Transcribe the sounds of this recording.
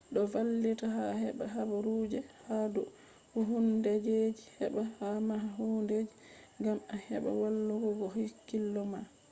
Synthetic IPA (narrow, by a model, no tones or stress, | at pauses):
ɗɔvalːitaɦaɦɛbaɦabaɾud͡ʒɛhadɔ | huɦundɛd͡ʒed͡ʒihɛbahamaɦunded͡ʒiŋɡamahɛɓa̰walːuɡɔɡɔɦikːilːɔma